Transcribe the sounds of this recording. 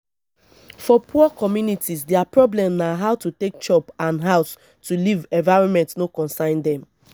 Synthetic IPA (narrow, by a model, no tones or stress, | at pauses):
fɔpʰuɔkɔmjunitʰisdɛapɹɔblɛ̃mnaɦaʊtutek̚d͡ʒɔpãnɦaʊs | tʰulivɛ̃nvaɪɹɔ̃nmɛ̃ntnokɔ̃nsãɪ̃ndɛ̃m